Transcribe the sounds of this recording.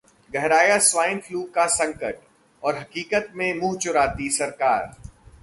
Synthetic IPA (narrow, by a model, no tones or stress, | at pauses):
ɡɛɦɾaːjaswaːɪnfluːkːasɐ̃ŋkəʈ | ɔːɾɦɐkiːkət̪mẽmuɦt͡ʃʊɾaːt̪isɐɾkaːɾ